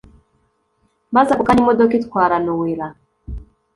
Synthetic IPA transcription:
bazakukanimɔdɔkitkwaɾanɔwiɾa

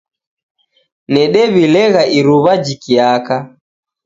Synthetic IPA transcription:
nɛɗɛβilɛɣaʔiɾuβad͡ʒikiaka

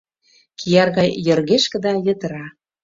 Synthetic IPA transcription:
kʰijɑrɣɑjjə̆rɣeʃkə̆d̪ɑjə̆t̪əɾɑ

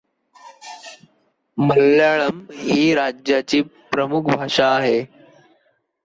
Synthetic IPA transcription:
məlːaɭəmiːɾad͡ʑjat͡ɕiːpɾəmukʰbʱaʂaːɦe

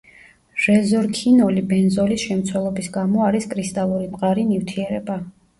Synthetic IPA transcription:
ɾɛzɔɾkʰinɔlibɛnzɔlisʃɛmt̪sʰwɛlˠɔbisɡamɔaɾiskʼɾist̪ʼalˠuɾimʼqʼaɾinivt̪ʰiɛɾɛba

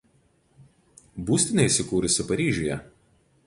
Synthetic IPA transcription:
buːsʲt̪ʲɪnʲɐɪsʲɪkuːɾʲʊsʲɪpɐɾʲiːʒʲʊjɛ̰

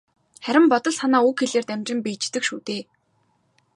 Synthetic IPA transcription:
χæɾʲɪ̆mpɔt̪ɞ̆ɮsanaːukxeɮeːrt̪æmt͡ɕɪ̆mpiːt͡ɕt̪ɘ̆kʃuːt̪eː

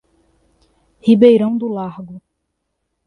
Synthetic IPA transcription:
hibejɾɐ̃w̃d̪ʊlaɾɡʊ

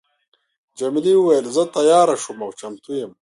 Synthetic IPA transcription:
d͡ʑɐmiliuwɐjɐlzɐt̪ɐjaːɾɐʂumawt͡ɕɐmt̪ujɐm

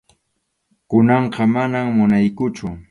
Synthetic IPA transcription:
kʊnɑɴqɑmanammʊnajkʊt͡ʃʊ

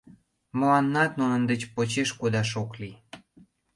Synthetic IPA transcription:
molɑnːɑt̪nunə̆nd̪ət͡ɕpot͡ɕeʃkud̪ɑʃokli

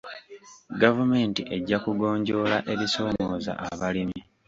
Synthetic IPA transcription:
ɡavume̞ːntiʔe̞ɟːakuɡo̞ːɲɟo̞ːlaʔe̞βiso̞ːmo̞ːza̰ʔaβalimi

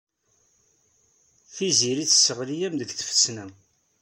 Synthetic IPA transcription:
θiziɾit͡sːsːəʁlijæmðəɡθə̥fə̥t͡sːnæ

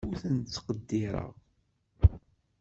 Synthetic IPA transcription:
uθənt͡sːə̥qəd̪ːɪɾˤə̰ʁ

